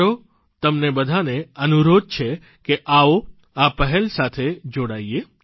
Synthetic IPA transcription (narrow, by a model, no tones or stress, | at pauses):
ɾo | t̪əmnebəd̪ʱaneənuɾod̪̚t͡ʃʰe | keʔao | apəɦɛlsat̪ʰed͡ʒoɽaie